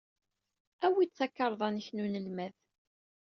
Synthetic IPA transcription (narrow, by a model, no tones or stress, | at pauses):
æwit͡sːækːɑɾˤðˤɑnəçnunəlmæθ